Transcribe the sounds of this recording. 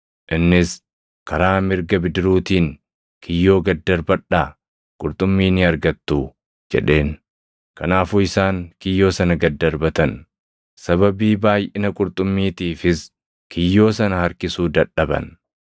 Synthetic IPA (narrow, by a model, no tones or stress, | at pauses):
ʔɪnːɪs | kɐɾaːmɪɾɡɐbɪd̪ɪɾuːt̪iːŋ | kʰɪjːo̞ːɡɐd̪ːɐɾbɐᶑaː | kʼʊɾt̪ʼʊmːiːnɪɐɾɡɐt̪ːuː | d͡ʒɛ̰ᶑe̞ːn | kɐnaːfuːɪsaːŋkɪjːo̞ːsɐnɐɡɐd̪ːɐɾbɐt̪ɐn | sɐβɐbiːbaːjʔɪnɐkʼʊɾt̪ʼʊmːiːt̪iːfɪs | kʰɪjːo̞ːsɐnɐhɐɾkɪsuːd̪ɐᶑɐbɐ̰n